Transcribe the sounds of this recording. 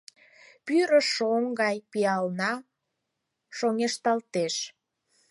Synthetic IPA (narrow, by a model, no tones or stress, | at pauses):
pyɾəʃoŋɡɑjpiɑlnɑ | ʃoŋeʃt̪ɑlt̪eʃ